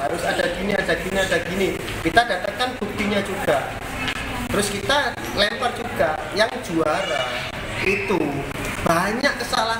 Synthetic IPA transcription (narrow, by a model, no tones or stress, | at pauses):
aɾʊsadaɡ̥iniadaɡ̥iniadaɡini | kit̪adat̪akanb̥uk̚t̪iɲad͡ʒuɡ̥a | t̪əɾʊskit̪a | lɛmpərd͡ʒuɡ̥ajaŋd͡ʒuaɾa | it̪u | b̥aɲakːəsala